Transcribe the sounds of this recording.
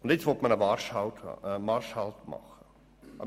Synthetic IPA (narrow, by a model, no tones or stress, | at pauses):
ʊndet͡sʋɔt̪mənəʋɑɾʃhaʊtəmɑɾʃhɑltmɑ̰χə | ʔɑb